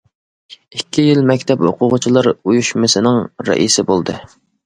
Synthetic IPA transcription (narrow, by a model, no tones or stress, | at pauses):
ikʲʰːijɪlmɛkʲt̪ʰɛphoqʰʊʁʊt͡ʃʰilˠɑɾujuʃmɨsɪnɪŋɾɛ̰ʔḭsɪbolˠd̪ɨ